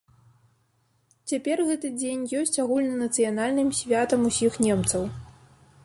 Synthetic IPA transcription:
t͡sʲapʲɛrɣɛt̪ɨd͡zʲenʲjɔsʲt͡sʲaɣulʲnɐnɐt̪sɨjanalʲnɨmsʲvʲat̪ɐmusʲixnʲɛmt̪sɐw

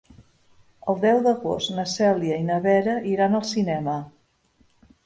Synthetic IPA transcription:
əlˠd̪ɛwðəɣost̪nəsɛljəinəβɛɾəʔiɾanəlˠsinɛmə

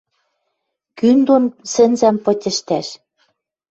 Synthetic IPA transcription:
kynd̪onsɘ̆nzæmpɤ̆tʲə̆ʃt̪æʃ

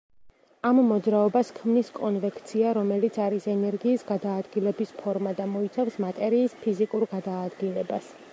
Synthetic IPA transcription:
amːɔd̪zɾaɔbaskʰmniskʼɔnvɛkʰt̪sʰiaɾɔmɛlit̪sʰaɾisɛnɛɾɡiːsɡad̪aːd̪ɡilɛbispʰɔɾmad̪amɔit̪sʰafsmat̪ʼɛɾiːspʰizikʼuɾɡad̪aːd̪ɡilɛbas

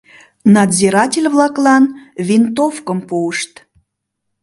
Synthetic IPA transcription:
nɑd̪zʲiɾɑtʲelʲβlˠɑklˠɑnvʲint̪ofkəmpuəʃt̪

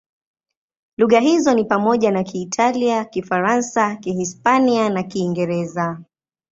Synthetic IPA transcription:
luɣaɦizɔnipamɔʄanakʰiːtʰaliakifaɾansakihispanianakiːŋɡɛɾɛza

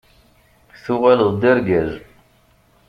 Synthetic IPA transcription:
θuʁæləðˤd̪iɾɡæz

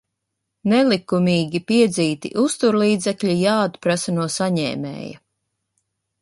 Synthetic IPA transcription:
nɛlˠikumʲiːɡʲipiɛd̪ziːt̪ḭʔust̪uɾlˠiːd̪zɛkʎʲijaːd̪pɾasanuɔsaɲɛ̰ːmɛ̰ːjɐ̰

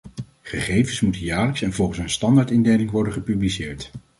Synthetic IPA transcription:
χəχejvənsmutənjaːɹləksɛnvɔlˠχənsənstɑndaːɹtɪndejlɪŋʋɔɹdənχəpyblisɪːɹt

